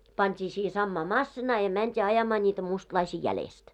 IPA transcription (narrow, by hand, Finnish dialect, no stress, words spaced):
pɑntʲiː siːhĕ sɑmːɑː mɑsːinɑː jɑ mæntʲiː ɑjɑmɑː nʲiːtæ mustlɑisiː jælest